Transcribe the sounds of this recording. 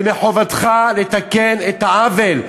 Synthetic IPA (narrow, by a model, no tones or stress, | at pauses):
meħovad̪χalet̪akenet̪haavel